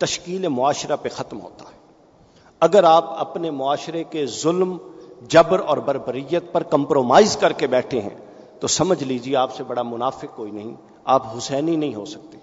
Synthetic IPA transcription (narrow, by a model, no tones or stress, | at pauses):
t̪ɐʃkiːlemʊaːʃɾapexɐt̪mɦo̰ːt̪aɦɛː | ɐɡəɾaːpɐpnemʊaːʃɾekezʊlmd͡ʒɐbɾɔːɾbɐɾbəɾijət̪̚pɐɾkɐ̃mpɾoːmaːɪzkɐɾkebɛːʈʰeɦɛ̰̃ | t̪osɐməd͡ʒʱliːd͡ʒieaːpsebɐɽamʊnaːfɪkkoːinɐɦĩ | aːpɦʊsɛːninɐɦĩɦo̰ːsɐk̚t̪e̥ː